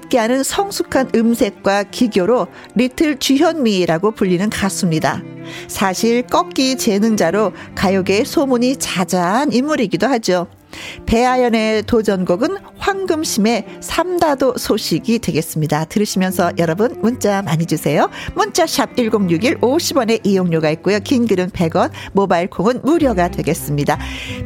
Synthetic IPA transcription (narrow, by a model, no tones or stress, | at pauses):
t̚k͈eɦanɯnsʰʌŋsʰukʰanɯmsʰe̞k̚k͈wakiɡjoɾo | ɾitʰɯɭt͡ɕiɦjʌnmiɾaɡopuʎːinɯnkas͈ɯmɲida̰sʰaɕʰiɭk͈ʌk̚k͈it͡ɕe̞nɯŋd͡ʑaɾokajoɡe̞sʰomuɲit͡ɕad͡ʑaɦanimːuɾiɡidohad͡ʑo | pe̞ajʌne̞tod͡ʑʌnɡoɡɯn | hɸwaŋɡɯmɕʰime̞sʰamdadosʰoɕʰiɡidwe̞ɡe̞s͈ɯmɲidatɯɾɯɕʰimjʌnsʰʌjʌɾʌbɯnmunt͡ɕ͈amaɲid͡ʑusʰe̞jomunt͡ɕ͈aɕʰab̚iɭɡoŋɲuɡiɾoɕʰibwʌne̞ʔijoŋɲoɡait̚k͈ojokinɡɯɾɯnpe̞ɡwʌnmobaiɭkʰoŋɯnmuɾjʌɡadwe̞ɡe̞s͈ɯmɲida